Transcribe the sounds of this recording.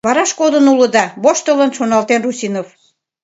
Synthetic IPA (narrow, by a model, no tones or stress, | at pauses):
βɑɾɑʃkod̪ənuləd̪ɑβoʃt̪ələnʃonɑlt̪enrusʲinof